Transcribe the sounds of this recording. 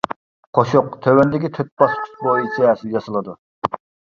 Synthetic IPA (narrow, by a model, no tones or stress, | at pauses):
qʰoʃʊqt̪ʰøwɛnd̪ɪkʲit̪ʰøt̪̚bɑst̪ʰy̥t̪̚bojit͡ʃʰɛsɨjɑsɨlˠɨd̪u